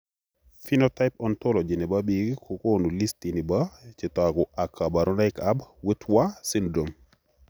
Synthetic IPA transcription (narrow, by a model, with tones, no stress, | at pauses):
fi˦no˦ta˦ɪpɔ˦nto˦lɔ˨d͡ʒɪ˨ni˨ba˦bi˨ɡkʰo˨ko˦nu˨li˦sti˨ni˨ba˦t͡ʃɪ˨ta˨ɡʊ˨a˨kʰːa˨ba˨ɾɔ˦na˦ɪka˦bwe˦twa˦sɪ˦ndo˨m